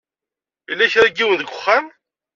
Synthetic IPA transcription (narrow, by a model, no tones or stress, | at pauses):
ilːæçɾæɡiwənðəɡʷʊχːam